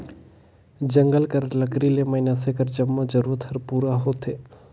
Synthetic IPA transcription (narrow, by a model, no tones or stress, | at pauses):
d͡ʒəŋɡəlkəɾləkɾileməɦɪnasekəɾd͡ʒəmːod͡ʒəɾuːɾət̪ɦəɾpuːɾaɦoːt̪ʰeː